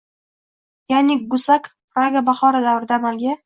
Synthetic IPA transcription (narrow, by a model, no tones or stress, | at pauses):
janɪɡʊsakpɾaɡabaχɒɾad̪avɾɪd̪aːmalɡʲa